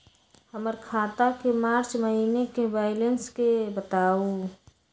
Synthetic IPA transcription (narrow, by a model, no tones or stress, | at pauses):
həməɾkʰaːt̪akemaːɾt͡ʃməɦiːnekeʋaːjlənskebət̪aːu